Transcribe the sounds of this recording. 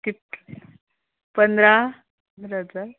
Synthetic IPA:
k̪it̪ | pənd̪ɾa | nɾat͡sa

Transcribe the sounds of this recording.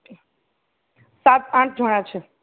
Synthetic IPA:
sat̪ãʈ̚d͡ʒʱəɽ̃ãt͡ʃʰe

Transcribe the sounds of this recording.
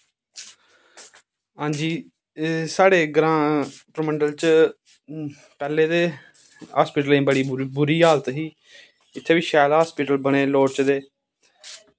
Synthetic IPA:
ɦãːɲd͡ʒiː | saːɽeːɡɾãːpɾəməɳɖəlt͡ʃ | pɛːleːd̪eː | ɦaːspɪːʈəlːeĩːbəɽiːbʊɾiːɦaːlət̪ɦiː | ɪt̪ʰːeːʋiːʃɛːlɦaːspɪʈəlbəɽ̃eːloːɽt͡ʃd̪eː

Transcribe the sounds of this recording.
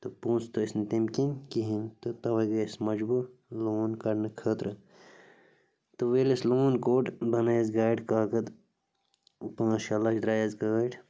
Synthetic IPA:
t̪ɨpũːnst̪osnt̪imkinkiɦint̪ɨt̪ɐʋɐɡɐsmɐd͡ʒbuloːnkɐɾnɨkʰəːt̪ɾɨ | t̪ɨʋeːlisloːnkoːʈbɐnɐjɐzɡaːjɖkaːkɐd̪ | pãːʃɐlɐʃd̪ɾaːjɐzɡaːɖ

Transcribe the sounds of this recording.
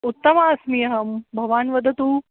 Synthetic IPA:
ut̪ːɐmaɐsnijɐɦɐmbʱɐʋaːnʋɐd̪ʱɐt̪uː

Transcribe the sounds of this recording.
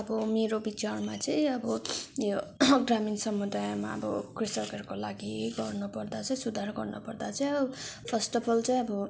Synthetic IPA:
ʌbʌmeɾobit͡sʌɽmat͡sʌĩʌbʌjoɡraminsʌmːud̪ajma̰ʌ̰bʌ̰krisʌkʌrkolaɡiɡʌrnupʌrd̪at͡sʌ̃ĩsud̪ʱaɾɡʌrnʌpʌrd̪at͡sʌĩʌbʌpʰʌsʈʌbʰʌlt͡saĩʌbʌ

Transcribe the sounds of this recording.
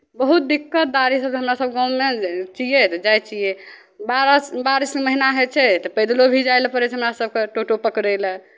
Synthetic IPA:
bəɦut̪̚d̪ikːət̪̚d̪aɾisəb̚ɦəmɾasəb̚ɡɔ̃met͡ʃijet̪ɔd͡ʒajt͡ʃie | baɾsbaɾiskeməɦinaɦet͡ʃʰɛt̪ɔpəjd̪lobʱid͡ʒajlpəɾɛt͡ʃʰɦəmɾasəb̚keʈoʈopəkɾɛlɛ̃

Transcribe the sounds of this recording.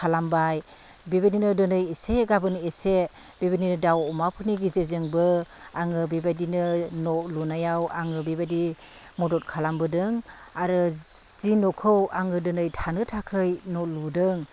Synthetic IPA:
kʰalambaj | bebininɯdɯnɯjeseɡabɯnese | bebininɯdawɔmapʰɯniɡizeɾzeŋbɯ | aŋɯbebadinɯnɔlunajawaŋɯbebadi | mɔdɔt̚kʰalambɯdɯŋaɾɯ | zinɔkʰɯwaŋɯdɯnɯjtʰanɯtʰakʰɯjnɔludɯŋ

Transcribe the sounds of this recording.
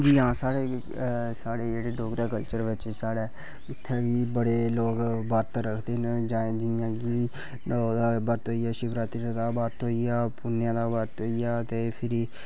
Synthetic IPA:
d͡ʒiːɦãːsaːɽeː | saːɽeːd͡ʒeːɽeːɖoːkɾaːkəlt͡ʃəɾʋɪt͡ʃsaːɽɛː | ɪt̪ʰːeːɡiːbəɽeːloːɡbaːɾt̪ːɾəkʰd̪eːnd͡ʒaːẽːd͡ʒɪjãːki | d̪aːbəɾt̪ɦoːijaːʃɪʋɾaːt̪ɾiad̪aːbaːɾt̪ɦoːijaːpʊnːjãːd̪aːbəɾt̪ɦoːijaːt̪eːpʰɪɾiː

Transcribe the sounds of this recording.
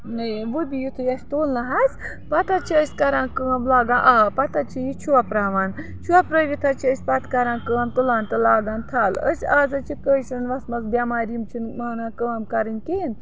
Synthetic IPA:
nɨʋubʲijit̪ʰɨjɐsʲt̪oːlnɐɦɐzʲ | pɐt̪ɐt͡ʃʰiəsʲkɐɾaːnkəːɐmlaːɡãːnʔaːpɐt̪ɐt͡ʃʰijit͡ʃʰuɐpɾaːʋaːn | t͡ʃʰuɐpɾɐʋʲit̪ʰɐt͡ʃʰiəsʲpɐt̪kɐɾaːnkəɐmt̪ulaːnt̪ɨlaːɡaːnt̪ʰɐlə̰saːzɐt͡ʃʰikəːʃɐnʋɐsmɐzbʲjamaːɾʲimt͡ʃʰinmaːnakəːɐmkɐɾɨnʲkeːn

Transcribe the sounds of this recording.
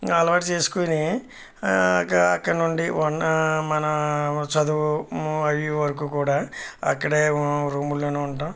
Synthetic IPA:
ɐlɐʋaːʈt͡ʃeːsu̥koːni | ɐkːɐɐkːɐɽɐnuɳɖiʋɐnmɐnɐt͡ʃɐd̪uɐʋiʋɐɾɐk̬uːkuːɽaːɐ̰kːɐɽeːɾuːmulːoːneːuɳʈaːm

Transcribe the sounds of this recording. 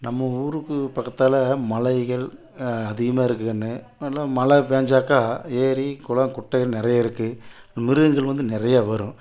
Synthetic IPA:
nɐmːɐuːɾɯkːɯpɐkːɐt̪ːaːlɐmɐlɐɪɣɐɭ | ɐðɪɣɐmaːɪɾɯkːɯɐnːɯ | ɐlːãːmɐlɐʋeːɲd͡ʒaːkaːeːɾikʊɭɐŋkʊʈːɐɣɐɭnɪɾɐjaːɪɾɯkːɯmɪɾɯɣɯŋɡɐɭʋɐnd̪ɯnɪɾɐjaːʋɐɾʊ̃

